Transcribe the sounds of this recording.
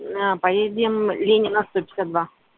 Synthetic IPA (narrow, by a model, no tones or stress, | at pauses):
pɐjedʲɪmlʲenʲɪnːəst̪o̞pʲɪ̥sʲɪsʲat̪d̪va